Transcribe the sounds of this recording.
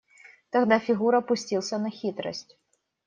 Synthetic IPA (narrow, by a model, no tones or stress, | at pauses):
t̪ɐɣd̪afʲɪɣuɾɐpʊsʲtʲilˠsʲənɐxʲit̪ɾə̰sʲtʲ